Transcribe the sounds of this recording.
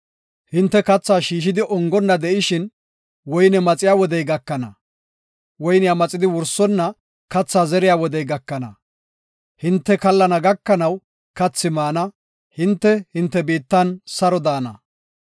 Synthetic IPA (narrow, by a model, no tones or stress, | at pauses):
hɪnt̪ːɛkɐt͡sːaːʃiːʃ̬ɪd̪ɪʔɔŋɡɔnːɐd̪ɛʔɪʃɪn | wɔjnɛmɐt͡sʼɪjaːwɔd̪ɛjɡɐkːɐnɐ̰ | wɔjnɪjamɐt͡sʼɪd̪ɪwʊɾsɔnːɐ | kɐt͡sːaːzɛɾɪjaːwɔd̪ɛjɡɐkːɐnɐ | hɪnt̪ːɛkɐlːɐnɐɡɐkːɐnɐw | kɐt͡sːɪmaːnɐ | hɪnt̪ːɛhɪnt̪ːɛbiːt̪ːɐnsɐɾɔd̪aːnɐ